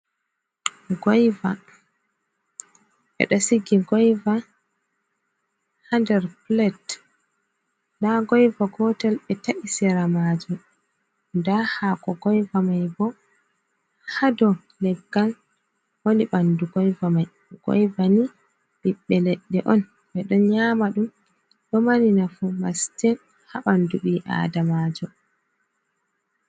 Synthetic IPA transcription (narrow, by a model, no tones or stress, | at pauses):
ɡɔjva | ʔɛ̰ɗɔsiɡiɡɔjva | handɛɾplɛt | naɡɔjvaɡɔtɛlɓɛtaʔisɛɾamaːd͡ʒum | ndahakɔɡɔjvamajbɔ | hadɔ | lɛɡːal | woliɓanduɡɔjvamaj | ɡ̥ɔ̰jvani | ɓiɓːɛlɛɗːɛʔɔn | ɓɛɗɔnɲaːmaɗum | ɗɔmaninafumastɛn | haɓanduɓiʔa̰ːdamaːd͡ʒɔ